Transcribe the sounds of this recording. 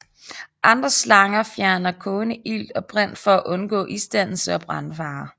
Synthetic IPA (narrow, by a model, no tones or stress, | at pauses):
ʔɑ̈nd̥ʁɐslɑ̈ŋɐfjæɐnɐkʰɔ̽ːnəʔil̰d̥ɒ̽b̥ʁɛn̰̥fɒ̽æʔɔ̽nɡ̥ɔ̰̽ːʔisd̥æn̰l̩səɒb̥ʁɑnfɑ̈ː